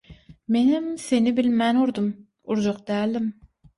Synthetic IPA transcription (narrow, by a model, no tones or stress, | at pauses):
menɪmsenɪbɪlmɛnuɾd̪um | uɾd͡ʒoqd̪ɛːlɪm